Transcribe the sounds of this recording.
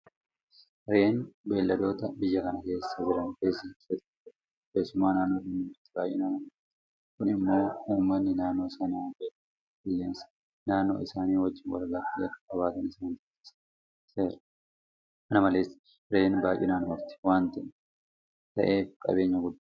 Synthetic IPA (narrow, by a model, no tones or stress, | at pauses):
ɾe̞ːnbe̞ːlːɐd̪o̞ːt̪ɐbɪjːɐkɐnɐke̞ːsːɐd͡ʒɪɾɐnkeːsɪsɐt̪ː | ke̞ːsʊmaːnaːnːo̞ːd̪ɪmːmʊɾt̪ːɪ̥baːjʔɪnaːnɐmɐɾt̪ɪ | kʊnɪmːo̞ːuːmːɐnːɪnaːnːo̞ːsɐnaːkeːkː | bɪlːeːnsɐ̥ | naːnːo̞̰ːɪsaːniːwɐd͡ʒːɪnwɐ̰lɡaːfɪɐkːɐkʼɐβaːt̪ɐnɪsaːd͡ʒɪt̪ːɪ̥s | se̞ːɾɐ̥ | mɐnɐmɐleːs | ɾe̞ːnbaːjʔɪ̰naːnmɐɾt̪ɪ̥waːnt̪ɐʔn | t̪ɐ̰ʔe̞ːfkʼɐ̰be̞ːɲːɐɡʊd̪ː